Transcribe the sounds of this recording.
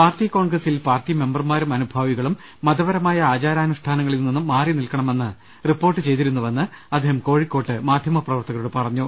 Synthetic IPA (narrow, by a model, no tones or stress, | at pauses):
paːrtiko̞ːɳɡrɐsilpaːrtːime̞mbɐrmaːɾumɐnubʱaːʋiɣɐɭumː | ɐd̪ɐʋɐɾɐmaːjɐaːt͡ɕaːɾaːnuʂʈʰaːnɐŋːɐɭilninːumːaːrinilkɐɳɐme̞nːɨ | ripːo̞ːrʈːɨt͡ɕe̞jt̪iɾunːuʋɐnːɨ | ɐd̪ʱːeːhɐmko̞ːɻikːo̞ːʈːɨmaːd̪ʱjɐmɐprɐʋɐrt̪ɐɣɐɾuɽepɐrɐɲːu